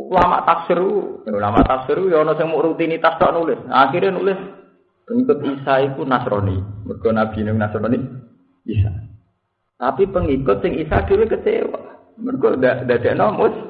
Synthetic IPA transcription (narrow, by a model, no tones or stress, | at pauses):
ulama̰ʔt̪afsəɾuaulama̰ʔt̪afsiɾujɔnɔsɪŋmʊʔɾut̪init̪ast̪ɔʔnulɪsaxiɾanulɪs | pəŋikʊt̪̚isait̪unasɾɔ̰nḭmərɡ̥ɔnab̥inʊŋnasɾɔni | isa̰ | t̪apipəŋikʊt̪̚sɪŋisad̥ewekət͡ʃḛwa̰ | mərɡɔdadad̪ɛʔnɔmʊs